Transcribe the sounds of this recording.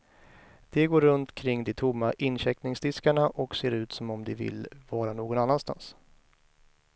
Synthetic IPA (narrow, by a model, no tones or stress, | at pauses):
d̪̥ɛɡoːɾːɵnt̪kʰɾɪŋːd̪ɛt̪ʰʊmːaʔɪnɕɛknɪŋsd̪ɪskaɳaʔɔkseːɾʉ̟ːt̪sɔmɔmd̪ɛvɪ̰lvɑːɾanoːɡɔnanːanst̪a̰ns